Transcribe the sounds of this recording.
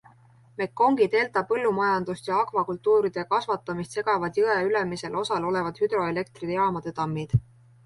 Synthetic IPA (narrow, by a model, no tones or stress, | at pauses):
me̞kːo̞ŋɡit̪e̞ːlt̪ˑɑːɤlːumɑjɑnd̪̥ust̪jɑɑkvɑkult̪ːˑuːɾid̪̥e̞kɑsvɑt̪ːˑɑmist̪se̞ɡ̥ɑvɑd̪̥jɤeyle̞mise̞lʔo̞sɑlo̞le̞vɑd̪̥hyd̪̥ɾo̞e̞le̞k̚t̪rid̪ejɑːmɑd̪̥et̪ɑmːid̪̥